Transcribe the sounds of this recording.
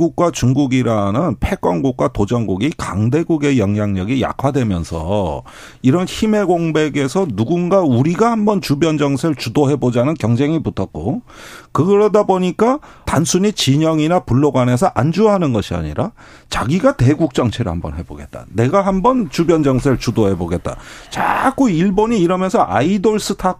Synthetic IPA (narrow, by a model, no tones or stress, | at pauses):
ɡuk̚k͈wat͡ɕuŋɡuɡiɾanɯnpʰe̞k͈ʌŋɡuk̚kwatod͡ʑʌŋɡuɡikaŋde̞ɡuɡe̞jʌŋjaŋɲʌɡija̰kʰwadwe̞mjʌnsʰʌ̰ | iɾʌnçime̞ɡoŋbe̞ɡe̞sʰʌnuɡunɡauɾiɡahambʌnt͡ɕubjʌnd͡ʑʌŋsʰɯɭt͡ɕudoɦe̞bod͡ʑanɯnkjʌŋd͡ʑe̞ŋiputʰʌt̚k͈o | kɯɡɯɾʌdaboɲik͈a | tansʰuɲit͡ɕiɲʌŋinapuɭːoɡwane̞sʰʌʔand͡ʑuaɦanɯnɡʌɕʰia̰ɲḭɾa | t͡ɕaɡiɡate̞ɡuk̚t͡ɕ͈ʌŋt͡ɕʰeɾɯhambʌnɦe̞bo̰ɡe̞t̚t͈a̰ne̞ɡaɦambʌnt͡ɕubjʌnd͡ʑʌŋsʰeɭt͡ɕudohe̞boɡe̞t̚t͈a̰t͡ɕa̰k͈uiɭboɲiːɾʌmjʌnsʰʌʔaidoɭs͈ɯtʰa